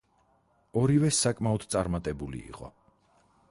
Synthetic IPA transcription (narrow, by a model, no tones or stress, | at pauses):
ɔɾivɛsakʼmaɔd̪̥t̪sʼaɾmat̪ʼɛbulḭːqʼɔ̰